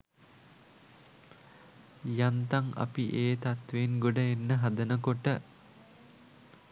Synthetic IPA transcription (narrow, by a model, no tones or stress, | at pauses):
jant̪aŋa̰piʔeːt̪at̪ʋenɡoɖəenːəɦad̪ənəkoʈə